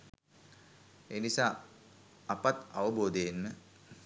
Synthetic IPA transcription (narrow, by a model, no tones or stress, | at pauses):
eːnisaː | ɐpat̪aʋəboːd̪ejenmə